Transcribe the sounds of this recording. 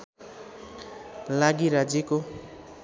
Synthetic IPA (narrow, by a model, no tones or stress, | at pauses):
laɡiɾad͡zjeko